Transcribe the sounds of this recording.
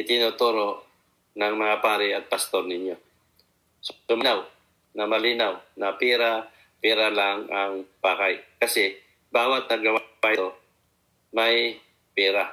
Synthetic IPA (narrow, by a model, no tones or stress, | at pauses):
ɪt̪ɪnut̪oɾo̞ | nɐŋmɐŋapaːɾɪɐt̪̚pɐst̪oɾnɪɲjo̞ | ssʊmɪnaw | nɐmɐliːnawnɐpɛːɾa | pɛːɾalaŋaŋpaːkajkɐsɛ | baːwat̪̚nɐɡɐwaat̪o | mɐj | pɛːɾa